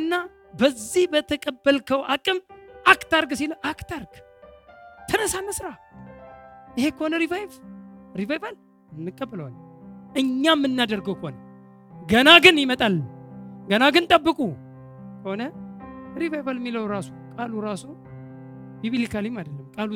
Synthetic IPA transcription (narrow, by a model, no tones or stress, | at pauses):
ɨnːa | bəzːihbət̪ʰəkʼəbːəlkʰəwakʼɨmʔakt̪aɾɡsiləʔakt̪ʰaɾɡ̥ | t̪ʰɨnəsaməsɾa | ʔɨhe̞kʰəhonəɾivajfɾivajval | ɨnːɨkʼːəbːələwalʔɨɲːamːɨnːad̪əɾɡəwkəhonə | ɡənaɡɨnjɪmət̪ʼalɡənaɡɨnt̪ʼəbːɨkʼu | kəhonəɾivajvalmːiləwɾasokʼaluɾaso | biβilikʰalimad̪əlːəmkʼalu